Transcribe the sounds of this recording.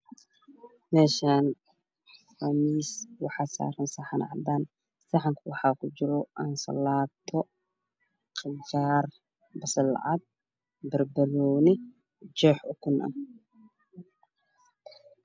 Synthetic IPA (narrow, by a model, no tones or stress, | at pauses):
mɛːʃaːn | rɐmiːswɑħɑsa̰ːɾɐnsɐħɑn̰ʕɑd̪aːn | sɐħaŋkʰwɑħɑːkʰʊd͡ʒɪɾɔʔɐnsɐ̰laːt̪ʰɔ | qɪt͡ʃaːr | bɐsɐlɐ̰ʕɑd̪̚ | bɐrbɐɾɔːnɪ | d͡ʒɛːħʊkʰʊnʔɐ̰